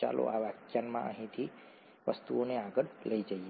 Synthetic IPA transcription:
a̰lʔo̰ʔaʋakjanmãʔə̰ɦĩt̪ʰi | ʋəst̪uoneaɡəɽləid͡ʒaie

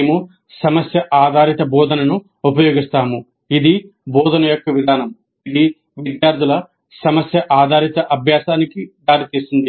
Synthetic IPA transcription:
mu | sɐmɐsjɐʔaːd̪ʱaːɾit̪ɐbɔːd̪ʱɐnɐnu | upɐjo̞ːɡist̪aːmu | id̪i | bɔːd̪ʱɐnɐjɔkːɐʋid̪ʱaːnɐm | id̪i | ʋid̪jaːɾd̪ʱilɐ | sɐmɐsjɐʔaːd̪ʱaːɾit̪ɐʔɐbʱjaːsaːnikid̪aːɾit̪iːsind̪i

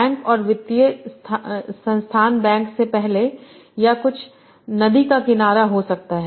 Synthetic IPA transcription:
ɛ̃ːŋkɔːɾʋɪt̪ijəst̪ʰsɐ̃nst̪ʰaːnbɛ̃ːŋksepɛɦle | jakʊt͡ʃʰ | nɐd̪ikakɪnaːɾaɦosɐk̚t̪aɦɛ

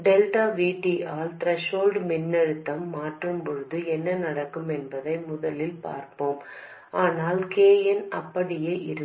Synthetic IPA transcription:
ɖɛlʈaːʋiːʈːiʔaːlt̪ɾɐʂoːlɖmɪnːɐɻɯt̪ːɐmːaːʈrɯmpɔɻɯðɯɛnːɐnɐɽɐkːɯmɛnbɐðɐɪmʊðɐlɪlpa̰ːɾpoːm | ʔaːnaːlkeːjɐnʔɐpːɐɽɪjeːʔɪɾɯ

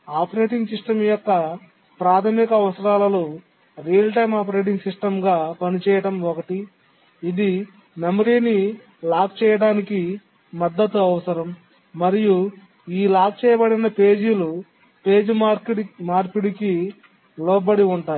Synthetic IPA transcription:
aːpɐɾeːʈiŋɡsiʂʈɐmjɔkːɐ | pɾaːt̪ʰɐmikɐɐʋɐsɐɾaːlɐloː | ɾijɐlʈɐjmaːp̬ɐɾe̞ːʈ̬iŋɡsiʂʈɐmɡaːpɐnit͡ʃɛːjɐɽɐmɔkɐʈiː | d̪i | nɐmɐɾiːni | laːk̚t͡ʃɛːjɐɽaːniki | mɐd̪ːɐt̪uɐʋɐsɐɾɐmː | ɐɾiju | iːlaːk̚t͡ʃɛːjɐbɐɽinɐpe̞ːd͡ʒilu | pe̞ːd͡ʒimaːɾpiɽiki | lɔːbɐɽiuɳʈaː

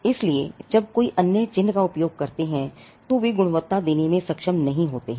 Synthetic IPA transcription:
ɪslied͡ʒɐb̚koːiʔɐnjət͡ʃɪ̃nːkaʊpjoːɡ̚kɐɾt̪eɦɛ̃ | t̪oʋiɡʊɽ̃ʋət̪ːad̪eːnemẽsɐkʃəmnɐɦĩɦoːt̪eɦɛ̃

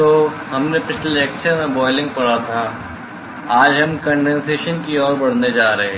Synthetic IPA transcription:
oː | ɦɐmnepɪt͡ʃʰleɛk̚t͡ʃʰəɾmẽbɔːɪlɪ̃ŋɡ̚pɐɽat̪ʰa | aːd͡ʒɦɐmkɐ̃ɳɖɛ̃nseːʃənkiɔːɾbɐɽ̤ned͡ʒaːɾɐɦe

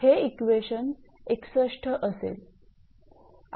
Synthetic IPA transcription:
heikʋeɕən | eksəʂʈʰəʔəsḛl

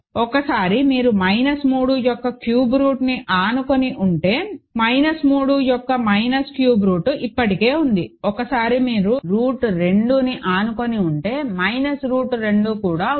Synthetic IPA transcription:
ɔkɐsaːɾimiːɾumɐjnɐsmuːɽuːjɔkːɐkjuːbɾuːʈniʔaːnuko̞niʔuɳʈe̞ːmɐjnɐsmuːɽujɔkːɐmɐjnɐskjuːbɾuːʈuʔipːɐʈike̞ːund̪iɔkɐsaːɾimiːɾuɾuːʈɾe̞ɳɖuːniʔaːnuko̞niuɳʈe̞ːmɐjnɐsɾuːʈɾe̞ɳɖuːkuːɽaː

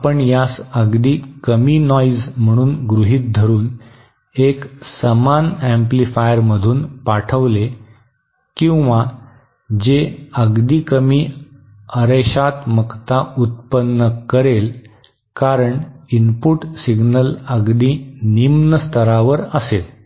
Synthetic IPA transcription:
apəɳjasəɡd̪iːkəminɔizm̤əɽ̃uːnɡɾuɦiːt̪̚d̪ʱəɾuːn | eksəmanæ̃mplifajəɾməd̪ʱuːnpaʈʰəʋle | kĩw̃ʋa | d͡ʑeəɡd̪iːkəmiː | əɾeɕat̪məkt̪aut̪̚pənːəkəɾel | kaɾəɳinpuʈsiɡnələɡd̪iːnimnəst̪ʰəɾaʋəɾəsel

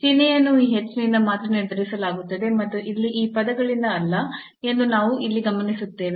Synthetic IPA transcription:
t͡ʃinejɐnːuiːɦet͡ʃːnind̪ɐmaːt̪ɾɐneːd̪ʱɐɾisɐlaːɡut̪ːɐd̪emɐt̪ːuʔilːiʔiːpɐd̪ɐɡɐɭind̪ɐːlːɐ | e̞nd̪unaːʋuilːiɡɐmɐnisut̪ːe̞ːʋe

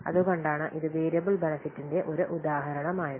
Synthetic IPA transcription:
ɐ̰ðuɣo̞ɳɖaːɳɨʔiðɨbeːɾjɐbilbenɐfitːinde̞ʔoɾuʔud̪aːɦɐɾɐɳɐmaːjɐð

